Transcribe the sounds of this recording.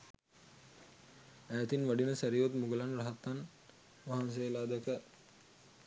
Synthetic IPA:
æːt̪inʋaɖinəsæɾiot̪muɡəlanraɦat̪ːan | ʋaɦans̬eːlaːd̪ækə

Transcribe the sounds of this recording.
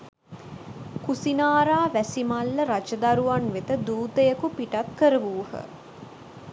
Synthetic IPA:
kusinaːɾaːʋæsimalːəɾat͡ʃɐd̪aɾuʋanʋet̪əd̪uːt̪əjəkupiʈat̪kəɾəʋuːhə̰

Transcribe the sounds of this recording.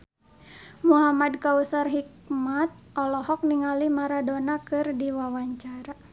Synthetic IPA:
muɦamadkausarɦik̚ | mat̪̚ʔɔlɔhɔk̚niŋalimaɾadonakɨrdiwawaɲt͡ʃaɾa

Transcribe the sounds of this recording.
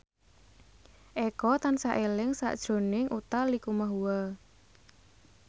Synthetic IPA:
ʔɛkɔt̪ansaʔelɪŋsa̰ʔd̥ʒ̥ɾo̤nɪŋʔut̪alikumaɦuwa

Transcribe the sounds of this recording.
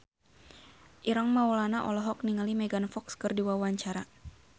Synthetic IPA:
ʔiɾaŋmawlanaʔɔ̰lɔɦɔk̚niŋalimɛɡanfɔkskərdiwawaɲt͡ʃaɾa

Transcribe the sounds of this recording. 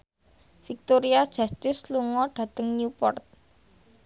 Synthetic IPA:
fik̚t̪oɾiad̥ʒ̥a̤st̪ɪsluŋɔɖ̥ä̤t̪əŋɲupɔ̰rt̪̚

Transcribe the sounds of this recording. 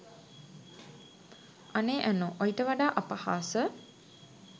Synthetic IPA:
aneːʔænoʔojiʈəʋaɖaːʔapahaːsə

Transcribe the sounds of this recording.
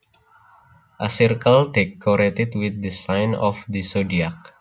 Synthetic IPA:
ʔəsirkəlt̪ekʰːɔɾet̪it̪wit̪̚dəsãjnɔfdisodiak̚

